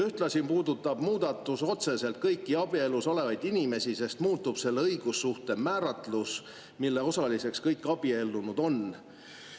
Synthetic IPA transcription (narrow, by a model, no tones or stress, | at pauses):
yht̪lɑsʲimpuːd̪ut̪ːˑɑb̥muːd̪̥ɑt̪ːˑuso̞t̪se̞se̞lt̪̚kɤjkːiɑb̥ie̞lːuso̞le̞vɑjd̪inime̞sise̞st̪muːt̪ːˑub̥se̞lːeɤjɡ̥usːuht̪e̞mæːɾɑt̪lus | milːe̞o̞sɑlise̞kskɤjkːˑɑb̥ie̞lːunud̪̥o̞n